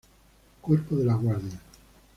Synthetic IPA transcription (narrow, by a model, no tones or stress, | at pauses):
koɾpoðelaɣwaɾðja